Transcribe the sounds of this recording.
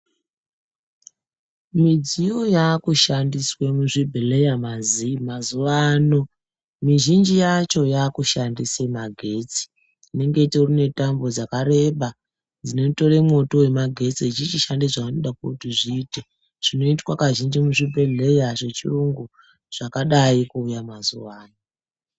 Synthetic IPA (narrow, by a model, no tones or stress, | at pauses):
mid͡zijo̞jakuʃandiswemuʐibʱele̞jamazimazuʋaːno̞ | miʒind͡ʒijat͡ʃo̞jaːkuʃandisemaɡʱe̞t͡si̥ː | ne̞ŋɡetorine̞tambo̞d͡zakaɾe̞ɓa | d͡zine̞to̞ɾe̞mo̞to̞we̞maɡʱe̞t͡siːt͡ʃit͡ʃiʃandiʐaanoɗakoutiʐiːte | ʐ̥ino̞itwakaʒind͡ʒimuʐibʱeɮe̞jaʐe̞t͡ʃḭruŋɡu | ʐ̥akaɗaikuːjamazṵwaːno